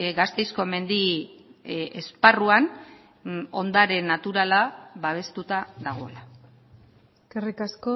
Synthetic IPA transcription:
ɡast̪e̞jsko̞me̞nd̪i | esparuan | o̞nd̪aɾe̞nːat̪uɾalaβaβ̞e̞st̪ut̪aðaɣ̞o̞ḛla | kerikasko

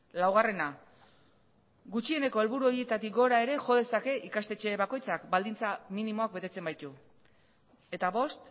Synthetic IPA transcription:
lawɣ̞are̞na | ɡut͡ʃie̞ne̞ko̞e̞lβuɾuo̞ɾjie̞t̪at̪ikɡo̞ɾae̞ɾe̞ʝo̞ðe̞sake̞ʔikast̪e̞t͡ʃe̞βako̞jt͡sakbald̪int͡saminimo̞akbe̞t̪e̞t͡se̞mbajt̪u | e̞t̪aβo̞st̪

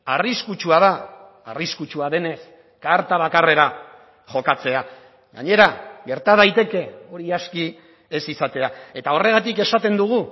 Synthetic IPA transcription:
ariskut͡ʃuað̞aː | riskut͡ʃuaðe̞ne̞s | kaɾt̪aβ̞akare̞ɾa | ʝo̞kat͡se̞a | ɣa̰ɲe̞ɾaɣe̞ɾt̪að̞ajt̪e̞ke̞o̞ɾiaski | e̞sisat̪e̞ae̞t̪ao̞re̞ɣat̪ike̞sat̪e̞nd̪uɣ̞u

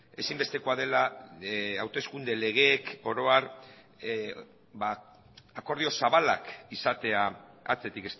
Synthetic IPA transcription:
e̞simbe̞st̪e̞ko̞að̞e̞la | awt̪e̞skund̪e̞le̞ɣ̞e̞ːko̞ɾo̞ar | ba | ako̞ɾð̞io̞saβalakisat̪e̞a | a̰t͡se̞t̪ike̞s

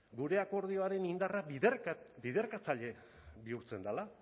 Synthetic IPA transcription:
ɡuɾe̞ako̞ɾð̞io̞aɾe̞nind̪ara | biðe̞ɾkat͡saʎe̞ | βiuɾt͡se̞nd̪ala

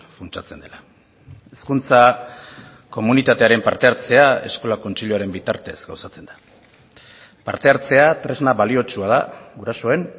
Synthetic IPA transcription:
funt͡ʃat͡se̞nd̪ela | e̞skunt͡sa | ko̞munit̪at̪e̞aɾe̞mpaɾt̪e̞aɾt͡se̞ae̞sko̞lako̞nt͡ʃiʎuaɾe̞mbit̪aɾt̪e̞zɡawsat͡se̞nd̪̥ḁ | pa̰ɾt̪e̞aɾt͡se̞at̪ɾe̞znaβalio̞t͡ʃuað̞a̰ɡuɾaso̞e̞n

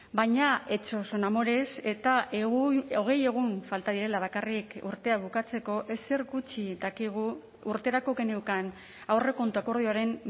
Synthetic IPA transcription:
bajɲae̞t͡ʃo̞so̞namo̞ɾe̞se̞t̪aʔeɣoɣ̞e̞je̞ɣ̞unfalt̪aðiɾe̞laβ̞akarikṵɾt̪e̞aβ̞ukat͡se̞ko̞ʔe̞seɾɣut͡ʃiðakiɣ̞u | uɾt̪e̞ɾakoke̞ne̞wkan | awre̞ko̞nt̪uako̞ɾð̞ioaɾe̞n

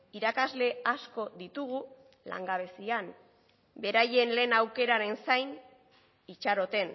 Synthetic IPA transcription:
iɾakazle̞asko̞ðit̪uɣu | la̰ŋɡaβ̞e̞sian | be̞ɾaje̞nle̞ːnawke̞ɾaɾe̞nsajn | it͡ʃaɾo̞t̪e̞n

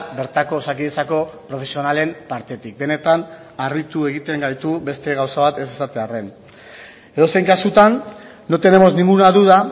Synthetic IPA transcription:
be̞ɾt̪ako̞sakiðet͡sako̞pɾo̞fesio̞nale̞mpaɾt̪e̞t̪ik̚be̞ne̞t̪an | arit̪ue̞ɣit̪e̞ŋɡajt̪ube̞st̪e̞ɣawsaβat̪e̞sesat̪e̞are̞n | e̞ðo̞sejŋkasut̪anː | o̞t̪e̞ne̞mo̞znĩŋɡunaðuða

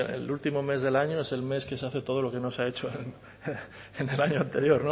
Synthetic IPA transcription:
ḛlult̪imo̞me̞zðe̞laɲo̞e̞se̞lme̞ske̞seaθe̞t̪o̞ð̞o̞lo̞ke̞no̞sae̞t͡ʃo̞n | ene̞laɲoant̪e̞ɾjo̞ɾno

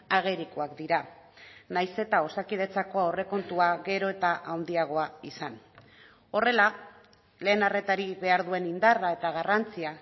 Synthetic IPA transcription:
aɣ̞eɾikoakd̪iɾa | najse̞t̪ao̞sakið̞e̞t͡sako̞aore̞ko̞nt̪uaɣe̞ɾo̞e̞t̪aʔawnd̪iaɣ̞o̞aisan | o̞re̞la | le̞ːnare̞t̪aɾiβe̞aɾðue̞nind̪arae̞t̪aɣ̞arant͡sia

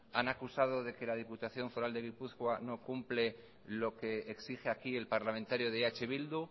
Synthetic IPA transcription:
anakusað̞oðe̞ke̞lað̞iput̪aθjo̞ɱfo̞ɾald̪e̞ɣ̞ipuθkwano̞kumple̞ | lo̞ke̞ːksixeakie̞lpaɾlamẽnt̪aɾjoð̞eat͡ʃe̞βild̪u

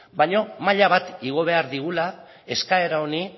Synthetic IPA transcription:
baɲo̞maʎaβ̞at̪iɣ̞o̞β̞e̞aɾðiɣula | e̞skae̞ɾaoni

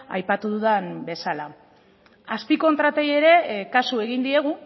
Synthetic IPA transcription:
a̰jpat̪uðuðanbe̞sala | aspiko̞nt̪ɾat̪e̞je̞ɾe̞kasue̞ɣind̪ie̞ɣ̞u

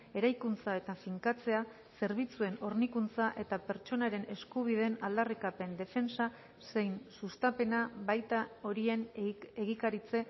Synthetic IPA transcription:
e̞ɾajkunt͡sae̞t̪afiŋkat͡se̞a | se̞ɾβit͡sue̞no̞ɾnikunt͡saʔe̞t̪ape̞ɾt͡ʃo̞naɾe̞ne̞skuβ̞iðe̞nald̪arikape̞nd̪e̞fe̞nsa | se̞jnsust̪ape̞naβajt̪ao̞ɾie̞neɣ̞ikaɾit͡se̞

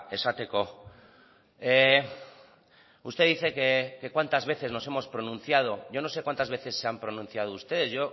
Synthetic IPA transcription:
esat̪eko | e | ust̪e̞ðiθe̞kekekwant̪azβe̞θe̞zno̞se̞mo̞spɾo̞nũn̟θjað̞o̞ʝo̞no̞sekwant̪azβeθe̞sːe̞ampɾo̞nũn̟θjað̞oust̪e̞ðe̞sʝo̞

